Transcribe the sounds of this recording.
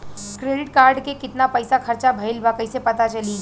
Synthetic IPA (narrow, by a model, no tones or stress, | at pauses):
kɾeːɖɪʈkaːɾɖkekɪt̪napɐːsaxʰɐɾt͡ʃabʱɐɪlbaːkəisepɐt̪at͡ʃɐli